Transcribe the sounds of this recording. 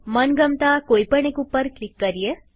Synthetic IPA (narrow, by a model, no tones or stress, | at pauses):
mənɡəmt̪akojpəɳ̃ekupːəɾklikːəɾije